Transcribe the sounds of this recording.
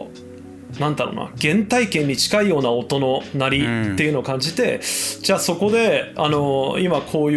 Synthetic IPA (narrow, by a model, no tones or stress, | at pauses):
nãnd̪aɾo̰ːna̰ɡ̥ẽ̞nt̪aikẽ̞ɲ̟ːit͡ɕi̥kaijo̞ːnao̞t̪o̞no̞naɾʲit̪ːe̞iɯ̟no̞ːkãɲ̟d͡ʑit̪e̞̰d͡ʑaːso̞ko̞d̪e̞ano̞imakʰo̞ːj